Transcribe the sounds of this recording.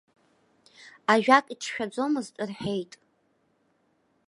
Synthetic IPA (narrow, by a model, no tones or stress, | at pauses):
aʒᶣakʼitʰʃᶣad͡zʷo̞mɨztʼɨrħe̞jtʼ